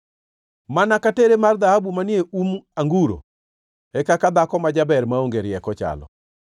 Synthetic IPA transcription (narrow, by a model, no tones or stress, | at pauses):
manakateɾemard̪aabumanjeumaŋɡuɾo̰ | ɛkakad̪akɔmad͡ʒabɛɾmaoŋɡeɾɪjɛkɔt͡ʃa̰lɔ̰